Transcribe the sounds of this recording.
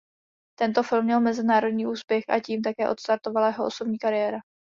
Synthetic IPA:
t̪ɛnt̪o̞fɪlmːɲɛlmɛzɪnaːɾo̞dɲiːʔuːspjɛxʔa̰ciːmt̪akɛːʔo̞t̪st̪aɾt̪o̞valajɛɦoʔoso̞bɲiːkaɾɪjɛːɾa

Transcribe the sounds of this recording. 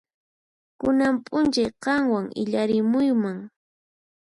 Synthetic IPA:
kʊnampʼʊnt͡ʃajqɑŋwaŋɪ̰ʎaɾɪmʊjmaŋ

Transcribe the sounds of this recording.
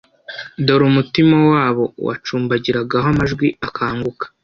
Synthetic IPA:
do̞ɾumutimawaːβo̞wa̰t͡ʃuːmbaɟiɾaɡaɦoamaʒɡwiakʰaːŋɡukḁ

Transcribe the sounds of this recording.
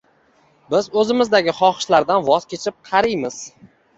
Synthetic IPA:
bɪzɵzɪmɪzd̪aɡʲɪχɒχɪ̥ʃlaɾd̪anvɒz̥kʲʰe̞t͡ʃʰɪp̚qʰɑɾɪjmɪz̥

